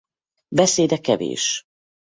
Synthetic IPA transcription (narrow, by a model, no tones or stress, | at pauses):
bɛseːd̪ɛkɛvḛːʃ